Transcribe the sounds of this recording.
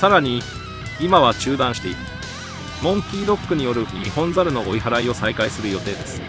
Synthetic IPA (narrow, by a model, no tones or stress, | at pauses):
saɾaɲ̟i | imaβat͡ɕɨːd̪ãɰ̃ɕi̥t̪e̞iɾɯ | mõ̞ŋkʲiːɾo̞kːɯ̟ɲ̟ijo̞ɾɯ̟ɲḭhõ̞nzaɾɯ̟no̞oiɦaɾaio̞saikaisɨɾɯ̟jo̞t̪e̞ːd̪e̞sɨ̥